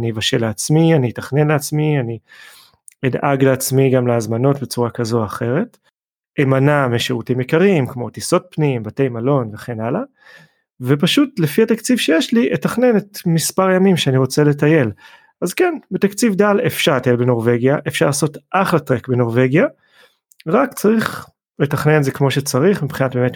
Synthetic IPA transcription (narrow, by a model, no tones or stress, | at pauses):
nivaʃeleat͡smianijetaχne̞nleat͡smiani | edʔaɡleat͡smiɡamleazmano̞tbe̞t͡suʁakazo̞aχe̞ʁe̞t | emanameʃeʁutimjekaʁimkmo̞tiso̞t̚pnimbate̞jmalo̞nveχenala | vepaʃutlefiatakt͡sivʃejeʃliʔetaχne̞netmispaʁjamimʃeaniʁo̞t͡sele̞taje̞l | azkenbet̪akt͡sivdalefʃaʁatajelbeno̞ʁve̞ɡjaʔefʃaʁlaːso̞tʔaχlatʁekbeno̞ʁve̞ɡja | ʁakt͡saʁiχ | le̞taχne̞nzekmo̞ʃet͡saʁiχmipχinat̚bemet